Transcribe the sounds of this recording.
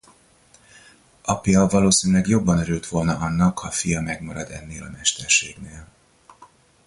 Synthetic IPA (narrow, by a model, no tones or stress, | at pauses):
ʔɒpiɒvɒloːsiːnylɛɡjo̞bːɒnøɾylt̪ʋo̞lnɒʔɒnːɒkhɒfijɒmɛɡmɒɾɒd̪ɛ̰nːeːlɒ̰mɛʃt̪ɛrʃeːɡneːl